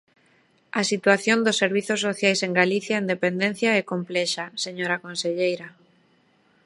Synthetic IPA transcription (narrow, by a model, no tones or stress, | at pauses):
ɐsit̪waθjond̪ʊsːeɾβiθʊsːoθjajseŋɡaliθjaend̪epend̪ẽn̟θjaɛkomplɛʃaseɲoɾakõnseʎejɾa